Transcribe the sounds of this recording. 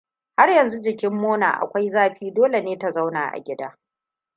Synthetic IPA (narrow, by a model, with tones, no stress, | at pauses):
ha˦rjɐ˨nzu˦d͡ʒɪ˨kʲɪ˦mːoː˦na̰ː˨ʔa̰˨kʷa˦jzaː˦ɸiː˦doː˦le˨neː˦ta˨za˦wna̰ː˨ʔa̰˨ɡʲɪ˦daː˦